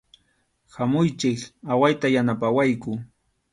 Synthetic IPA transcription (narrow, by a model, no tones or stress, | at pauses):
hamʊjt͡ʃɪkawajt̪ajanapawajkʊ